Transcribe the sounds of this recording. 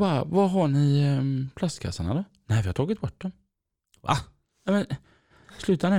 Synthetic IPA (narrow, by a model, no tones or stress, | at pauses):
bavaɦaɳɪpʰlast̪kʰa̰sːaɳa̰d̪ɔ | næɪvɪhaɾt̪ʰɑːɡɪt̪̚bɔʈ̚ːd̪ɔm | va̰ | namɛn | slʉ̟ːt̪anɛ